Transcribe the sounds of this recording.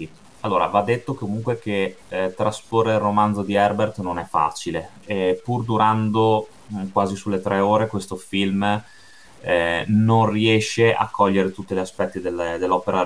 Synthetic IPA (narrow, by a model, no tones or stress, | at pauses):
alːoːɾa̰vad̪ːet̪ːokomuŋkwek̟et̪ɾasporːeirːomand̪zod̪iɛrbert̪nonɛfːa̰ːt͡ʃile | ɛpurd̪uɾand̪o | kwaːzisulːet̪ɾʔɛoːɾekwest̪ofilm | nonriɛʃeʔa̰kʰːɔʎːeɾet̪ut̪ːeleaspɛt̪ːid̪eld̪elːɔpeɾa